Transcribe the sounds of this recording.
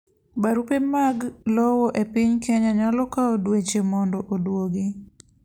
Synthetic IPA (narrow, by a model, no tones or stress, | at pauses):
baɾupemaɡlɔwɔʔepɪɲkeɲaɲalɔkaodwet͡ʃemɔndɔʔodwoɡi